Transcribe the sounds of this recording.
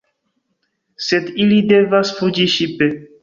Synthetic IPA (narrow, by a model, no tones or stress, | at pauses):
sed̪ilid̪evasfud͡ʒiʃipe